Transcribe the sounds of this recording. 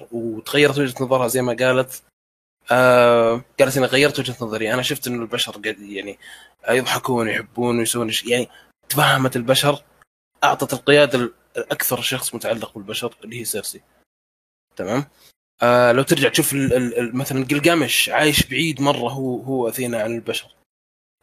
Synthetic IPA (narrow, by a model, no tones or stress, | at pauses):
wt̪ɣajːɑɾˤɑt̪wad͡ʒhat̪nɑðˤɑɾˤhazajːmaɡaːlat̪ | ʔaɡ̥aːlat̪ʔaniɣajːɑɾˤɑt̪wɪd͡ʒhat̪nɑðˤɑɾˤijːʔanaʃʊft̪ʔɪnːʊlbaʃɑɾˤɡajaʕni | jɨðˤħɑkuːnjħɪbːuːnwjsawːiːnʃjaʕni | t̪afahːamat̪ɪlbaʃɑɾˤ | ʔɑʕt̪ˤɑt̪ɪlqɪjaːd̪a | ʔakθɑɾˤʃɑxsˤmʊt̪aʕalːɪq̚bɪlbaʃɑɾˤɪlːihiːsˤiːɾsi | t̪amaːm | ʔalawt̪ɪɾd͡ʒaʕt̪ʃuːfɪlɪmaθalanɡɪlɡamɪʃʕaːjɪʃbɪʕiːd̪mɑrˤːɑɦʊɦuːʔaθiːnaʕanɪlbaʃɑɾˤ